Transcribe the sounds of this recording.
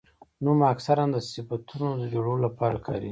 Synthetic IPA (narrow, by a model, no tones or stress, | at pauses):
numaksaɾand̪əsɪfat̪unod̪əd͡ʒoɽolapɑɾakʰɑ̰ɾi